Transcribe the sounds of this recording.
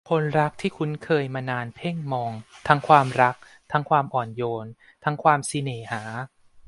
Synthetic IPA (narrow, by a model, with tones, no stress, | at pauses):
kʰo˧nɾa˦˥k̚t̪ʰiː˥˩kʰu˦˧˥nkʰɤː˧jmaː˧naː˧npʰe˥˩ŋmɔː˧ŋt̪ʰa˦˥ŋkʰwaː˧mɾa˦˥k̚ | t̪ʰa˦˥ŋkʰwaː˧mʔɔː˨˩njoː˧n | t̪ʰa˦˥ŋkʰwaː˧msi˧neː˨˩˦haː˩˦